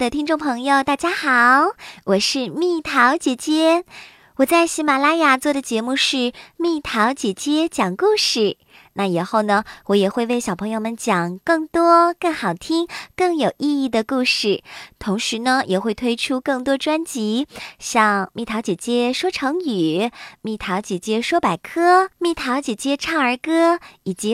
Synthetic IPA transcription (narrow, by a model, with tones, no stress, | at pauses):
d̪ə˨t̪ʰi˥nʈ͡ʂʊ˥˩ŋpʰɤ˧˥ŋjo˧ʊt̪a˥˩t͡ɕja˥xɑ˨˩ʊwɔ˨˩ʂɻ̩˥˧mi˥˩t̪ʰɑ˧˥ʊt͡ɕjɛ˧˥t͡ɕjɛ˥ | wɔ˨˩t͡sa˥˩ɪɕi˧˥ma˨˩la˥ja˨˩t͡swɔ˥˩d̪ə˩t͡ɕjɛ˧˥mu˥˧ʂɻ̩˥˧mi˥˩t̪ʰɑ˧˥ʊt͡ɕjɛ˧˥t͡ɕjɛ˥t͡ɕjɑ˨˩ŋku˥˧ʂɻ̩˥˩ | na˥˩i˨˩xo˥˩ʊnə˩wɔ˧˥jɛ˨˩xwe˥˧ɪwe˥˩ɪɕjɑ˨˩pʰɤ˧˥ŋjo˧ʊmə˨nt͡ɕjɑ˨˩ŋkɤ˥˩ŋt̪wɔ˥kɤ˥˩ŋxɑ˨˩ʊt̪ʰi˥ŋkɤ˥˩ŋjo˨˩ʊʔi˥˧i˥˩d̪ə˩ku˥˧ʂɻ̩˥˩t̪ʰʊ˧˥ŋʂɻ̩˧˥nə˧jʔɛ˨˩xwe˥˩ɪt̪ʰwe˥ɪʈ͡ʂʰu˥kɤ˥˩ŋt̪wɔ˥ʈ͡ʂwa˥nt͡ɕi˧˥ɕjɑ˥˧ŋmi˥˩t̪ʰɑ˧˥ʊt͡ɕjɛ˨˩t͡ɕjɛ˥ʂwɔ˥ʈ͡ʂʰɤ˧˥ŋy˨˩˦mi˥˩t̪ʰɑ˧˥ʊt͡ɕjɛ˨˩t͡ɕjɛ˥ʂwɔ˥pa˨˩ɪkʰɤ˥mi˥˩t̪ʰɑ˧˥ʊt͡ɕjɛ˨˩t͡ɕjɛ˥ʈ͡ʂʰɑ˥˩ŋə˞˧˥kɤ˥i˨˩t͡ɕi˧˥